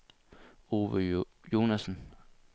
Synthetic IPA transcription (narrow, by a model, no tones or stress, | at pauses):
o̝ːʋəjo̝ːnæsən̩